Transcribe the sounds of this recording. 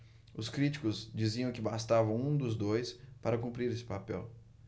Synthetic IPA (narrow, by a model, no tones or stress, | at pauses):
ʊskɾit͡ʃi̥kʊzd͡ʒiziɐ̃w̃kɪbast̪avɐ̃w̃ũd̪ʊzd̪ojspaɾɐkũpɾiɾesɪ̥papɛ̰w